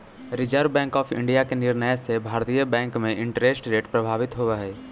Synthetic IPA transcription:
ɾɪd͡ʒəɾbɛ̃ːŋkɔːpʰɪ̰̃ɳɖijakenɪɾnəjsebʱaːɾt̪ijəbɛ̃ːŋkmẽʔɪ̃ɳʈɾeːsʈɾeːʈpɾɐbʱaːʋɪt̪ɦoʋaɦɛː

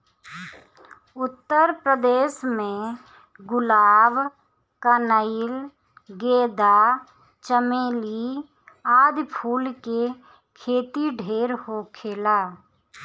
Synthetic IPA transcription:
ʊt̪ːəɾpɾəd̪eːʃmẽ | ɡʊlaːb | kənəɪl | ɡeːd̪a | t͡ʃəmeːli | aːd̪pʰuːlke | kʰeːt̪iɖʱeːɾhoːkʰeːlaː

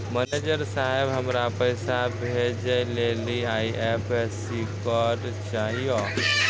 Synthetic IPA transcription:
mɛned͡ʒəɾsaɦebɦəmɾapəɪsabʱed͡ʒəleliaiepʰes | ikɔɾ | t͡ʃaɦijo

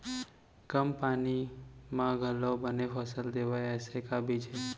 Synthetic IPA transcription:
kəmpaːnimãɡʱəlːəwbənefʰɐsəld̪eːʋaɛːsekabʱid͡ʒe

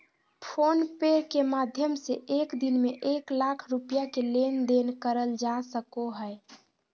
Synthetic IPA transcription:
pʰonpeɾkemad̪ʱjəmseekd̪inmeʔeklakʰɾupijakelend̪enkəɾəld͡ʒasəkoɦəe

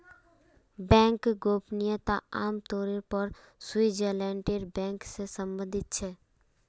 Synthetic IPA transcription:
bɛ̃ːŋkɡoːpnɪjət̪aaːmt̪oːɾiɾpəɾ | swid͡ʒəɾlɛ̃ːɳʈiɾbɛ̃ːŋksesə̃mbə̃nd̪ʱɪt̪̚t͡ʃʰɛː

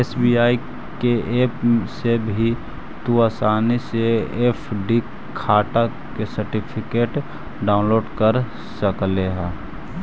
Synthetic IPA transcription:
eːsbiaːi | keeːpsebʱi | t̪uaːsaːniseeːpʰɖi | kʰaːʈa | kesəɾʈipʰɪkeːʈ | ɖaːʊ̃nloːɖkəɾ | səkleɦɛ̃ː

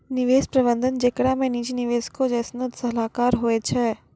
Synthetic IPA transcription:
nɪʋeːspɾɐbə̃nd̪ʱənd͡ʒeːkɽaːmẽniːd͡ʒinɪʋeːskod͡ʒɛːsnõd̪sɐlaːkaːɾɦoet͡ʃʰɛː

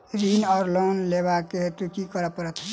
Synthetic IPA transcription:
ɾinɔɾlonlebaket̪ukikʌɾəpəɾət̪ʰ

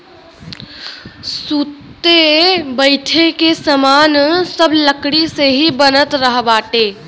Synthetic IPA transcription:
suːt̪ːebəɪʈʰekesəmaːnsəbləkɽiseɦibənət̪ɾəɦbaːʈeː

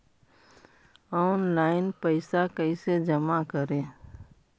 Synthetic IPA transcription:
ɔːnlaːɪnpəɪsakəised͡ʒəmakəɾẽː

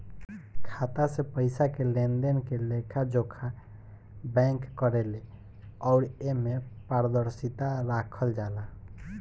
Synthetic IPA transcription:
kʰat̪asepəɪsakelend̪enkelekʰad͡ʒokʰa | bɛ̃ŋkːəɾele | ɔʊɾemepaɾd̪əɾsit̪aɾakʰəld͡ʒala

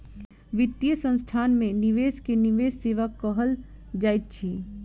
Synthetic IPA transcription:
ʋɪt̪ːjəsə̃nst̪ʰaːnmẽniʋeːskeniʋeːsːeːʋəkːəɦəld͡ʒaːjt̪̚t͡ʃʰi

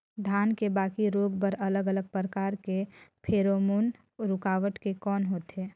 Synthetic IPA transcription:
d̪ʱaːnkebaːkiɾoːɡbəɾələɡələɡ̚pɾəkaːɾkepʰeːɾomoːn | ɾʊkaːʋəʈkekɔːnɦoːt̪ɦeː

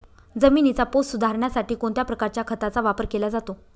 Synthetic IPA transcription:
d͡zəminit͡sapost̪sud̪ʱaɾɳjasaʈiːkoɳt̪japɾəkaɾt͡ɕjakʰət̪at͡saʋapəɾkelad͡zat̪o

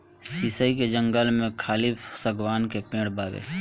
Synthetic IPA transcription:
siːsəiked͡ʒə̃ŋɡəlmẽkʰaːlɪpsəɡwaːnkepẽːɽbaːbḛː

